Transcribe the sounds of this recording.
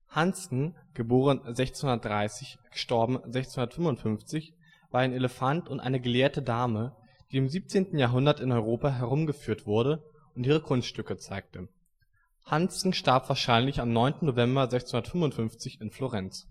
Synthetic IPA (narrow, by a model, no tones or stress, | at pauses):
hansn̩ɡ̥əboːʁ̞ənzɛçt͡snhʊndɐt̚d̥ʁaɪsɪçɡ̥ə̥ʃtɔɐbm̩zɛçt͡snhʊndɐtfʏmʊntfʏnft͡sɪç | v̥aːɐaɪneləfantʊntʔa̰ɪnəɡəleːɐtədaːmə | d̥iːɪmziːp̚t͡seːntn̩jaːɦʊndɐtɪnɔʏʁoːpaɦɛʁ̞ʊmɡəfyːɐtv̥ʊɐɾə | ʊntʔiːʁ̞əkʰʊnstʃtʏkət͡saɪk̚tə | hansn̩ʃtaɐpv̥aːɐʃaɪnlɪçamnɔʏntn̩nːovɛmbɐzɛçt͡snhʊndɐtfʏmvʊntfʏnft͡sɪçɪnfloʁɛnt͡s